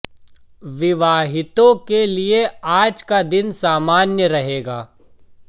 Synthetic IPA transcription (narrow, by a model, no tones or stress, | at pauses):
ʋɪʋaːɦɪt̪õkelieaːd͡ʒkad̪ɪnsaːmaːnjəɾɐɦeːɡaː